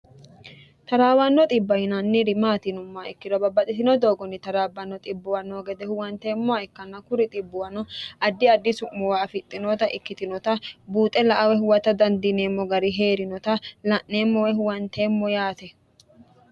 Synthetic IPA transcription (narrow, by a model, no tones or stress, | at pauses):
t̪ɐɾaːwɐnːɔt̪ʼɪbːɐjɪnɐnːɪɾɪmaːt̪ɪnʊmːaɪkːɪd̪ɔbɐbɐt̪ʼɪt̪ɪnɔd̪o̞ːɡɔnːɪt̪ɐɾaːbːɐnːɔt̪ʼɪbːʊwɐnoːɡɛd̪ɛhʊwɐnt̪e̞ːmːɔɐɪkːɐnːɐkʊɾɪt̪ʼɪbːʊwɐnɔɐd̪ːɪɐd̪ːɪsʊʔmːɔwaːfɪt̪ʼːɪnɔt̪ɐʔɪkːɪt̪ɪnɔt̪ɐbuːt̪ʼɛlɐʔɐwɛhʊwɐt̪ɐd̪ɐnd̪ɪneːmːɔɡɐɾɪɦe̞ːɾɪnɔt̪ɐlɐʔneːmːɔwɛɦʊwɐnt̪e̞ːmːɔjaːt̪ɛ